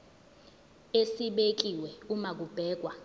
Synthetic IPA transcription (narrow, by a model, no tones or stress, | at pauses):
esiɓek̬iwɛumak̬ub̥ʱɛːk̬wa